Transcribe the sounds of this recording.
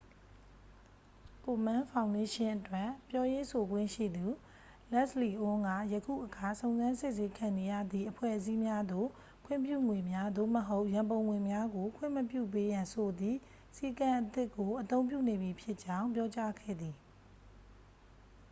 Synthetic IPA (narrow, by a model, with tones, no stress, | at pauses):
po˨mã˦pʰã˨ʊ̃nde˦ʃɪ̃˦ʔətwɛ˦˨pjɔ˦je˦so˨ɡwɪ̰̃˦˨ʃḭ˦˨d̪u˨ | lɛ˦sli˨ʔʊ̃˦ɡa̰˦˨jəkʰṵ˦˨ʔəkʰa˨sõ˨ʊ̃nzã˦sɪ˦ʔse˦kʰã˨ne˨jä̰˦˨d̪i˨ʔəpʰwɛ̰˦˨ʔəsi˦mja˦d̪o̰˦˨ | kʰwɪ̰̃˦˨mpjṵ˦˨ŋwe˨mja˦d̪o̰˦˨məɦo˦ʊʔjã˨mbõ˨ʊ̃ŋwɪ̃˨mja˦ɡo˨kʰwɪ̰̃˦˨məpjṵ˦˨pe˦jã˨nsʰo˨d̪i˨ | si˦kã˦˨ʔət̪ɪ˦kːo˨ʔət̪õ˦ʊ̃mp̬jṵ˦˨ne˨bji˨pʰjɪ˦ʔt͡ɕã˦ʊ̃mpjɔ˦t͡ɕa˦ɡɛ̰˦˨d̪i˨